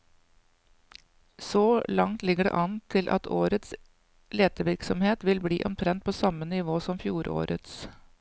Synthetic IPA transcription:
soːlɑŋt̪lɪɡəɖɛ̰ʔɑnt̪ʰɪlʔɑ̰t̪ʰoːɾət̪s | leːt̪əʋɪɾksɔmheːt̪ʋɪlbliːʔɔmt̪ʰɾɛnt̪̚pʰoːsɑmənɪʋoːsɔmfjuːɾo̰ːɾə̰t̪s

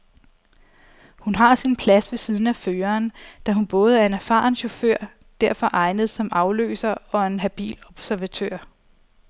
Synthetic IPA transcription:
hunɦɑ̈sinpʰlæsʋe̝siːð̞ˠn̩æføːɐːnd̥æɦunb̥ɔ̽ːð̞̩ˠæɐe̝næɐfɑ̰̈ːŋɕo̝føɐ̰ | d̥æɐ̰fɒ̽ʔɑ̈ɪnəð̞̩ˠsɒ̽mɑ̈ʊlø̰ːsɐɒ̽e̝nɦæb̥ḭːlɒ̽b̥sæɐʋæt͡sʰøɐ̰

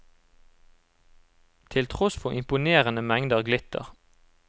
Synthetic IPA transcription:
t̪ʰɪlt̪ʰʁɔsfɔʔɪmpʊneːʁənəmɛŋd̪əʁɡlɪt̪ə̰ʁ

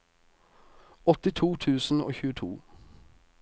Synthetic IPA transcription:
ɔt̪ɪt̪ʰuːt̪ʰʉːsn̩o̰ːçʉːət̪ʰṵː

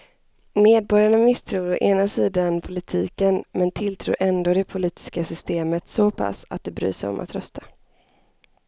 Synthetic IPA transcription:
meːd̪̚bɔɾjaɳamɪst̪ʰɾuːɾɔʔeːnasiːd̪anpʰʊlɪt̪ʰiːkənmɛnt̪ʰɪlt̪ʰɾṵːɾʔɛnd̪oːd̪ɛpʰʊliːt̪ʰɪ̥skasʏst̪eːmət̪sɔpʰa̰sa̰t̪̚d̪ɛbɾy̰ːʂɛjɔ̰mʔa̰t̪ɾœst̪ʰḁ

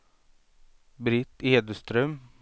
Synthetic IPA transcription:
bɾɪt̪ːeːd̪əst̪ɾœm

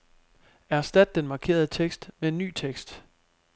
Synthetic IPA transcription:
æɐsd̥æd̥̚ːenmɑ̈kʰe̝̰ːɐð̞̩ˠət͡sʰeɡ̥sd̥mee̝nːy̰ːt͡sʰeɡ̥sd̥

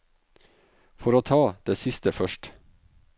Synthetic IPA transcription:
fɔɾoːt̪ʰɑːd̪̥eːsɪst̪əfœʃʈ

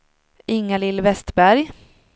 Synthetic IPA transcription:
ʔɪŋːalɪlːvɛst̪bæɾj

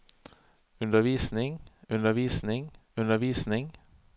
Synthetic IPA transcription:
ʉnd̪əʋiːsnɪŋʉnd̪əʋiːsnɪŋʉnəʋiːsnɪŋ

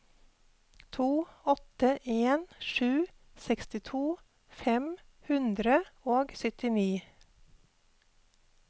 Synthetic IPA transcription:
t̪ʰuːɔt̪əʔeːnʃʉː | sɛkst̪ɪt̪ʰuː | fɛm | hʉnd̪ɾəoːɡsʏt̪ɪniː

